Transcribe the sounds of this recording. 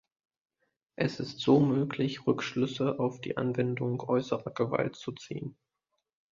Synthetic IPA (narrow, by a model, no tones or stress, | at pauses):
ʔɛsɪstz̥oːmøːklɪçʁʏkʃlʏsəʔaʊfd̥ḭːʔa̰nvɛndʊŋʔɔʏsəʁɐɡəva̰ltt͡sut͡sḭːən